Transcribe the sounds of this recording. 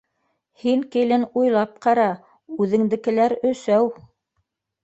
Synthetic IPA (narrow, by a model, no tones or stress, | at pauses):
hiŋkɘlɘnujlˠɑp̚qɑɾɑ | ʉðɘ̆ŋd̪ɘ̆kɘ̆læɾɵ̆sæw